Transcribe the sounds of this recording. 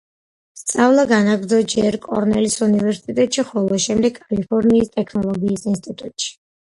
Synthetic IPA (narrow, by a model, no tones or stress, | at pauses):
st̪sʼavlˠaɡanaɡɾd̪zɔd͡ʒɛɾkʼɔ̰ɾnɛlisunivɛɾsi̥t̪ʼit̪ʼɛt̪ʼʃiχɔlˠɔʃɛmd̪ɛɡkʰːʼalipʰɔɾniːst̪ʼɛkʰnɔlˠɔɡiːsinst̪ʼit̪ʼut̪ʼʃi̥